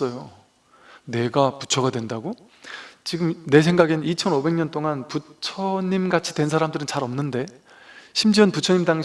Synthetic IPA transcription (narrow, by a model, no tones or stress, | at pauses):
ʌjo | ne̞ɡapu̥t͡ɕʰʌɡadwe̞ndaɡo | t͡ɕiɡɯmne̞s̬ʰe̞ŋɡaɡennit͡ɕʰʌnobe̞ŋɲʌnt͈oŋanput͡ɕʰʌɲimɡat͡ɕʰi̥dwe̞nsʰaɾamdɯɾɯnt͡ɕaɾʌmnɯnde̞ | ɕʰimd͡ʑiʌnput͡ɕʰʌɲimdaŋɕ